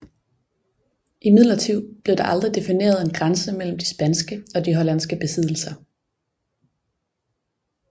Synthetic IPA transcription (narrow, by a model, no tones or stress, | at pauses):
ʔimið̞̰ˠlɐt͡sʰiʊ̰b̥le̝ʊd̥ɑ̈ʔɑ̈ld̥ʁid̥e̝fine̝̰ːɐð̞ˠe̝nɡ̥ʁansəmel̰m̩d̥isb̥ænsɡ̥əɒ̽d̥iɦɒ̽læn̰sɡ̥əb̥e̝sið̞̰ˠl̩sɐ